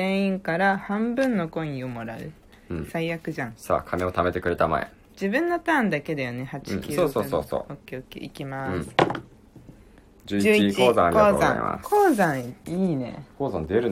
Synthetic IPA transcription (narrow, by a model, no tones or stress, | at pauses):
zẽɰ̃ĩŋkaɾahãmbɯ̟̃nːo̞kõ̞ĩĩomo̞ɾaɯ̟̰̃ | saijakɯ̟ʑãŋsa̰ːkʰameo̞t̪ame̞t̪e̞kɯ̟ɾe̞t̪ama̰ḛ | d͡ʑibɯ̟̃nːo̞t̪ãːnd̪ake̞d̪ejone̞hat͡ɕĩ̥kʲɨoːsoːso̰ːso̰ːokʲeokʲḭʔḭkʲimaɯ̃sɨ̥ | d͡ʑɨːd͡ʑiɨːkioːzãoːzã̰a̰koːzãiːne̞̰koːzãnd̪eɾɯ̟